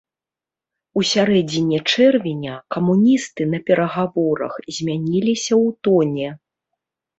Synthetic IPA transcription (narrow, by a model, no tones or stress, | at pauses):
usʲaɾɛd͡zʲinʲɛt͡ʂɛrvʲinʲɐkɐmunʲist̪ɨnɐpʲɛɾɐɣavɔɾɐ̰xzʲmʲanʲilʲisʲɐwt̪ɔnʲɛ